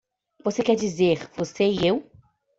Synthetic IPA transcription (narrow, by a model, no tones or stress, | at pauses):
vosekɛɾd͡ʒizeɾvoseiew